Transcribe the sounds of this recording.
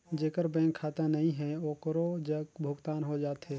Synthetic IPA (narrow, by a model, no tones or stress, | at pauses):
d͡ʒeːkəɾbɛ̃ːŋkʰːaːt̪ãnəɦĩɦɛ̃oːkəɾod͡ʒəɡbʱʊɡt̪aːnɦod͡ʒaːt̪ɦɛː